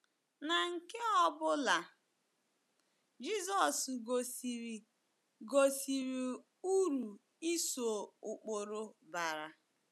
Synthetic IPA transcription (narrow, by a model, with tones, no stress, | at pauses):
na˨ŋ̩˨ke˦ɔ˦bʊ˦la˨ | d͡ʒi˦zɔ˨sɡo˨ɾ | ɡo˨si˨ɾi˨ | u˦ɾu˨ | i˦so˨ʊ˨k͡po˨ɾo˦ba˨ɾa˨